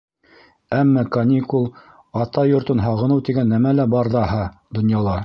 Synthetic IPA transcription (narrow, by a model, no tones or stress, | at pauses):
æmːɑkɐnʲikulˠ | ɑt̪ɑjŏɾt̪ɤnɦɑʁɤ̆nɤwt̪iɡænːæmælæbɑɾðɑhɑd̪ŏnjɑlˠɑ